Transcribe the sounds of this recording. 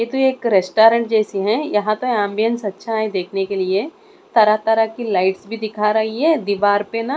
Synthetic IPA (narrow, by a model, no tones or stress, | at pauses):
jet̪oeːkɾesʈaːɾə̃ɳʈ̚d͡ʒɛːsiɦɛ̃jɐɦãt̪oɛ̃ːmbijə̃nsɐtːʃʰaɦɛ̃d̪eːkʰnekelie | t̪ɐɾat̪ɐɾakilaːɪʈsbʱid̪ɪkʰaɾɐɦiɦɛd̪iːʋaːɾpena